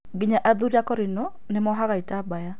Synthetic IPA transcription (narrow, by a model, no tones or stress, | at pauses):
ɡɪɲaʔaðuɾiakɔɾɪnɔ | nemɔɦaɣaitabaja